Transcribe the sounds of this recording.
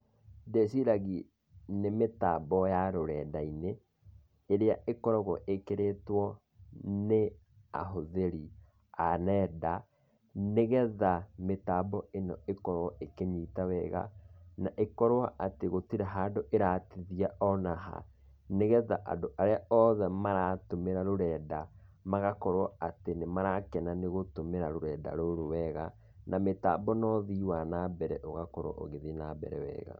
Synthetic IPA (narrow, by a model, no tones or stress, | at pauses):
desiɾaɣi | nemetabɔjaɾoɾɛdaineː | ɾeaekɔɾɔɣɔʔekeɾetwɔ | ne | a̰ɦoðeɾi | anɛːda | neɣɛðametabɔenɔ̰ekɔɾwɔʔekeɲiːtawɛɣa̰naʔekɔɾwaʔateɣotiɾaɦaːdoʔeɾaːtiðiaʔɔnaɦa̰ | neɣɛðaʔa̰doʔaɾeaɔðɛmaɾatomeɾaɾoɾɛːdamaɣakɔɾwɔatenemaɾakɛnaneɣotomeɾaɾoɾɛːda̰ɾoɾowɛɣa | nʔameta̰bɔnɔðiwanabɛɾɛʔoɣakɔɾwɔ̰ʔo̰ɣeðinabɛ̰ɾɛ̰wɛ̰ːɣa̰